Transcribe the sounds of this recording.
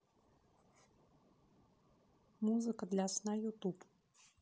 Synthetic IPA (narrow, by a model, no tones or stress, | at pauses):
muzɨkɐd̪lʲɐsnajut̪up